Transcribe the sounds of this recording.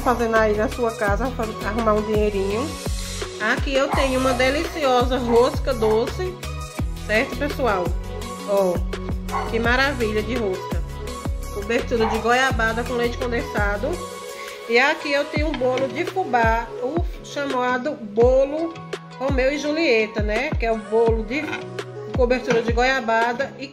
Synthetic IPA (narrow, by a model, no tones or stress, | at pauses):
fazẽnʊainɐsuɐkazɐ | aɦũmaɾũd͡ʒĩɲejɾĩɲʊ | akiewt̪ẽɲʊũmɐd̪elisiɔzɐɦoskɐd̪osɪ | sɛɾt̪ʊpesuaw | ɔ | kɪmaɾaviʎɐd͡ʒɪɦoskɐ | kobeɾt̪uɾɐd͡ʒɪɡojabad̪ɐkõlẽjt͡ʃɪ̥kõd̪ẽsad̪ʊ | iakiewt̪ẽɲʊũbolʊd͡ʒɪfubaʊʃɐmad̪ʊbolʊ | homewɪʒuliet̪ɐnɛkɪɛʊbolʊd͡ʒɪ | kobeɾt̪uɾɐd͡ʒɪɡojabad̪ɐi